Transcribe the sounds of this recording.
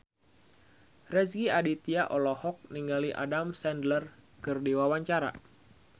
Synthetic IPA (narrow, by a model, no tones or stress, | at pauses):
rɛsɡiadit̪iaʔɔlɔhɔk̚niŋɡaliʔa̰damsɛndlərkɨrdiwawaɲt͡ʃaɾa̰